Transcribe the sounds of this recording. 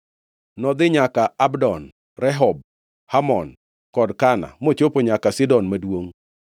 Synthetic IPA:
nɔd̪ɪɲakaabdɔn | rɛɦɔb̚ | hamɔn | kɔdkana̰mot͡ʃopoɲakasɪdɔnmadwoŋ

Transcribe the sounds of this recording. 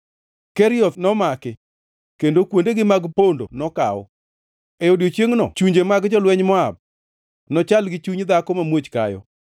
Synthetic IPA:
kɛɾɪɔt̪nɔmakɪ | kendokwondeɡɪmaɡpondo̰nɔka̰ɔ̰ | ɛodjot͡ʃjeŋnɔ̰t͡ʃuɲd͡ʒemaɡd͡ʒɔlwɛɲmɔab̚ | nɔt͡ʃalɡɪt͡ʃuɲd̪akɔmamwot͡ʃka̰jɔ̰

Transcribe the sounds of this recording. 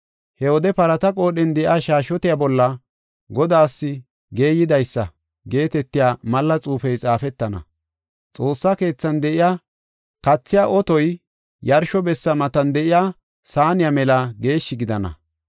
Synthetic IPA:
hɛwɔd̪ɛpɐɾɐt̪ɐkʼo̞ːɗɪnd̪ɛʔɪaːʃaːʃɔt̪ɪjabɔlːɐ | ɡɔd̪aːsːɪ | ɡe̞ːjɪd̪ɐjsːɐ | ɡe̞ːt̪ɛt̪ːɪjaːmɐlːɐt͡sʼuːfɛjt͡sʼaːfɛt̪ːɐnɐ̰ | t͡sʼo̞ːsːɐke̞ːt͡sːɐnd̪ɛʔɪjaː | kɐt͡sːɪjaːʔɔt̪ɔj | jɐɾʃɔbɛsːɐmɐt̪ɐnd̪ɛʔɪjaː | saːnɪjamɛlɐɡe̞ːʃːɪɡɪd̪ɐnɐ̰

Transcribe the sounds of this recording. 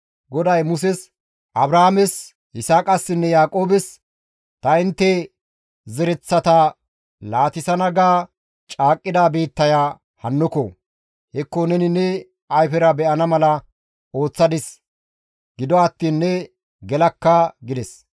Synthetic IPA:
ɡɔd̪ɐjmʊs̬ɛs | ʔɐbɾaːmɛs | ʔɪsaːkʼɐsːɪnːɛjaːkʼo̞ːbɛs | t̪ɐɪnt̪ːɛ | zɛɾɛt͡sːɐt̪ɐ | laːt̪ɪsɐnɐɡaː | t͡ʃʼaːkʼːɪd̪aːbiːt̪ːɐjaː | hɐnːɔkɔ | hɛkːɔnɛnɪnːɛ | ɐjfɛɾɐbɛʔɐnɐmɐlɐ | o̞ːt͡sːɐd̪ɪs | ɡ̥ɪd̪ɔɐt̪ːiːnːɛ | ɡɛlɐkːɐɡɪd̪ɛs

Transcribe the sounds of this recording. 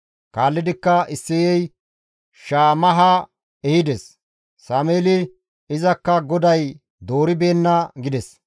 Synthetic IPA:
kaːlːɪd̪ɪkːɐɪsːɪjɛj | ʃaːmɐɦɐ | ɛhɪd̪ɛs | saːmeːlɪ | ɪzɐkːɐɡɔd̪ɐj | d̪o̞ːɾɪbe̞ːnːɐɡɪd̪ɛs

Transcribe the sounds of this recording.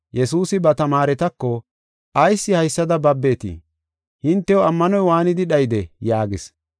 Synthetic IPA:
jɛsuːsɪbɐt̪ɐmaːɾɛt̪ɐkːɔ | ʔɐjsːɪhɐjsːɐd̪ɐbɐbːe̞ːt̪ḭ | hɪnt̪ːɛwɔɐmːɐnɔjwaːnɪd̪ɪɗɐjd̪ɛjaːɡɪs

